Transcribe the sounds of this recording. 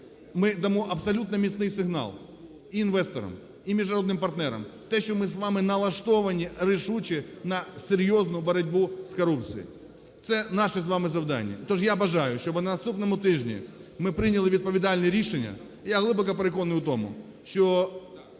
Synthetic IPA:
mɪd̪ɐmuʔɐpsɐlʲut̪nɐmʲɪsnɪjsɪɣna̰lˠ | iːnʋɛst̪ɐɾɐ̰m | imʲɪʐʊɐɾo̞d̪nɨmpɐrt̪nɛɾɐ̰mft̪ɛɕʲomɪs̬ʋamɪnɐlˠɐʂt̪oʋɐnʲiɾɪʂut͡ɕɪnɐsɪɾʲjoznʊjʊbɐɾɐdʲbuskɐɾup̚t̪sɨjḭ | t̪sɛnaʂɨs̬ʋamɨzɐvd̪a̰nʲɪ̰ɐ̰t̪oʐjaɐbɐʐajʊɕobɨnɐnɐst̪upnɐmʊt̪ɪʐnʲɪ̰mɪpɾɪnʲɐlˠɪʋʲɪd̪̚pɐʋʲɪd̪alʲnɨjɾʲiʂɪnʲːɐ̰ | jaɣlˠɪbɐkɐpɾɪkonɨjʊt̪omʊ̰ | ɕo

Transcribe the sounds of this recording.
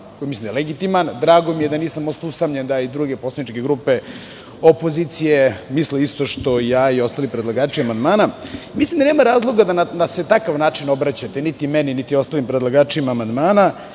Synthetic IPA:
koimislimd̪aeleɡit̪imand̪ɾaːɡo̞mijed̪aniːsamost̪usamʎend̪aid̪ɾuːɡeposlˠed̪it͡ʃke̞ɡɾupe̞ | opo̞zit̪sijemisleist̪o̞ʃt̪o̞ijaːio̞st̪alipɾed̪lˠaɡaːʈ͡ʂiamand̪maːnamislimd̪aneːmaɾaːzlˠo̞ɡad̪ananaset̪akaʋnaːt͡ʂino̞bɾat͡ɕat̪enit̪imɛninit̪io̞st̪alimpɾed̪laɡaːt͡ʂiemaːmand̪maːna

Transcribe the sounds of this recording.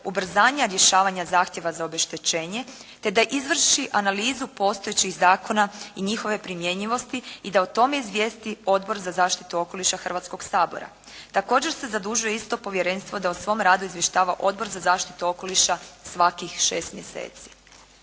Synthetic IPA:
ubr̩zaːɲaɾje̞ʃaːʋaɲazaːxt̪je̞ʋazaobe̞ʃt̪et͡ɕe̞ːɲe̞ | t̪e̞d̪aʔizʋr̩ʃiʔanaliːzupo̞ːst̪oet͡ɕiɣzaːko̞naiɲixo̞ʋe̞pɾimje̞ɲʎiʋo̞st̪iid̪aot̪o̞me̞izʋjeːst̪io̞d̪bo̞ɾzazaːʃt̪it̪uo̞ko̞liʃaxr̩ʋat̪sko̞ɡsaːbo̰ɾa̰ | t̪ako̞ːd͡ʑe̞ɾse̞zad̪uʒujeist̪o̞po̞ʋje̞ɾe̞nst̪ʋo̞d̪ausʋo̞mɾaːd̪uizʋje̞ʃt̪aːʋaʔo̞d̪bo̞ɾzazaːʃt̪i̥t̪uo̞ko̞liʃasʋakixʃe̞ːst̪mje̞sḛːt̪si̥

